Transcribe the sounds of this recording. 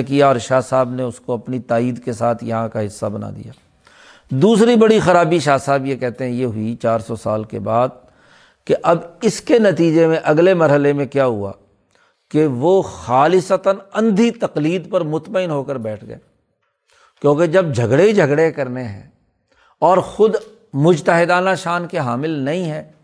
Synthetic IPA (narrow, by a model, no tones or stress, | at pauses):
kijaɔːɾʃaːsaːbneʊskoɐpnit̪aːiːd̪kesaːt̪ʰjɐɦãkaɦɪsːabɐna̰ːd̪ḭja̰ː | d̪uːsɾibɐɽixɐɾaːbiʃaːsaːbjekɛɦt̪eɦɛ̃jeɦʊit͡ʃaːɾsɔsaːlkḛbaːd̪̚ | keʔɐbɪskenɐt̪iːd͡ʒemẽʔɐɡlemɐɾɦəlemẽkjaːɦʊa̰ː | keʋoxaːlɪsət̪ənɐ̃nd̪ʱit̪ɐqliːd̪pɐɾmʊt̪məɪnɦoːkəɾbɛːʈʰɡɐ̰ḛː | kjõːked͡ʒɐb̚d͡ʒʱɐɡɽed͡ʒʱɐɡɽekɐɾneɦɛ̰̃ː | ɔːɾxʊd̪ | mʊd͡ʒt̪əɦɪd̪aːnaʃaːnkeɦaːmɪlnɐɦĩɦɛː